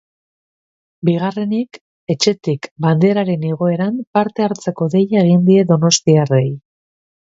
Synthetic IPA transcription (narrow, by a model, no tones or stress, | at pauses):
biɣ̞are̞nik | e̞t͡ʃe̞t̪ikband̪e̞ɾaɾe̞neɣ̞o̞e̞ɾampaɾt̪e̞aɾt͡se̞ko̞ðe̞jaeɣ̞ind̪ie̞ðo̞no̞st̪iare̞j